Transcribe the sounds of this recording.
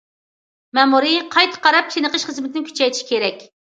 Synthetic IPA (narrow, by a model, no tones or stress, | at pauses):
mɛmuɾɨqʰɑjt̪ʰə̥qʰɑɾɑp̚ʃʰenɨqəʃχəzmɪt̪ɪnɪkʲʰy̥t͡ʃɛjt̪ʰi̥ʃi̥kʲeɾɛkʲ